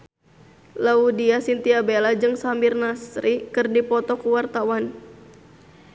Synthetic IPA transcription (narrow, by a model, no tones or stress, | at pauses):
laudiasint̪iabelad͡ʒɨŋsambirnasɾikɨrdipɔt̪ɔkuwart̪awan